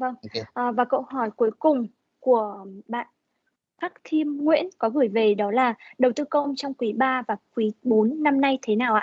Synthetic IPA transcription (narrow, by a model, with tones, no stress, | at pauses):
və˧ŋʔəː˨˩vaː˨˩kə̰˧˨whɔ˧˩jku˨˦əjkʊ˨˩ŋ͡m | ku˧˩əɓa̰ː˧˨n | faː˦˥k̚t̪ʰi˧əmŋwḭ˧˥ənkɔ˨˦ɣɨ˧˩əjve˨˩ɗɔ˨˦laː˨˩ɗə˨˩wt̪ɨː˧kə˧wŋ͡mt͡ɕɔ˧wŋ͡mkwi˨˦ɓaː˧vaː˨˩kwi˨˦ɓo˨˦nːa˧mna˧jt̪ʰe˨˦naː˨˩wʔa̰ː˧˨